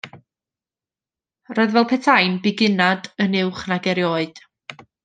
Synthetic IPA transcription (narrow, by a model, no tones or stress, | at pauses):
roːɨðvɛlˠpʰɛtʰajnbɪɡɪnadənɪwχnaɡɛɾjoːɨd̥